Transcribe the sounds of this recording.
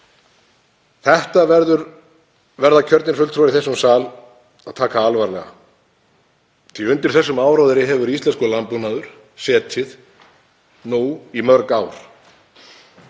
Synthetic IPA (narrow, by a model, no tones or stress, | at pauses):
θɛht̪avɛɾðʏɾ | vɛɾðacʰœɾt̪nɪnsfʏlt̪ʰɾɔaɾiθɛsːʏmsaːl | aðt̪ʰaːkaalvaɾlɛ̰ɣa̰ | t̪ʰiʏnt̪ɪɾ̥θɛsːʏmaːwɾawðɪɾɪɦɛvʏɾist̪lɛnskɔlampunaðʏɾ̥ | sɛːt̪ʰɪð | nuwimœɾkaːwɾ̥